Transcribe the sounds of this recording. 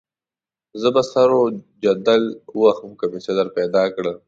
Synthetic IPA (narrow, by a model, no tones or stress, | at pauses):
zəbasɐɾod͡ʒɐd̪aluwaxəmkamesɐd̪aɾpɛd̪ɑːkɽə